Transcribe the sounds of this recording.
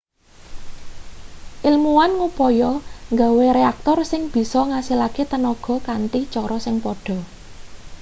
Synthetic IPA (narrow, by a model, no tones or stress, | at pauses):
ʔilmuwanŋupɔjɔŋɡaweɾeak̚t̪ɔrsɪŋb̥i̤sɔŋasilaket̪ənɔɡ̥ɔ̤kanʈ̪it͡ʃɔɾɔsɪŋpɔɖ̥ɔ̤